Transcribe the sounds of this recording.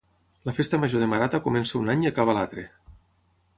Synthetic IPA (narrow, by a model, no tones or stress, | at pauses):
ləfest̪əməʒoðemaɾat̪akumɛnsaunaɲiakaβalat̪ɾe